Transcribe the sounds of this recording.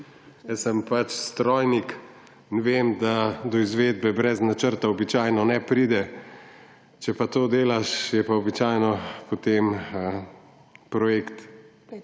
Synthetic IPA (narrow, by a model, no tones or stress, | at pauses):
jɛsəmpat͡ʃst̪ɾɔːjnik | nʋeːmd̪ad̪ɔizʋeːd̪̚bɛbɾɛznat͡ʃəɾt̪aɔbit͡ʃaːjnɔnɛpɾiːd̪ɛ | t͡ʃɛpat̪oːd̪eːlaʃjɛpaɔbit͡ʃaːjnɔpɔt̪em | pɾɔjekt̪